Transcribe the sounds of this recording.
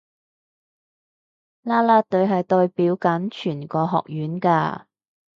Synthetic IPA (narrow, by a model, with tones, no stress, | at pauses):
laː˥laː˥t̪ɵ˨˧ɥɦɐ˨jt̪o˧ɥpiː˨˥wkɐ˨˥nt͡ʃʰyː˨˩nkɔː˧ɦɔ̰ː˨k̚jyː˨˥nka̰ː˧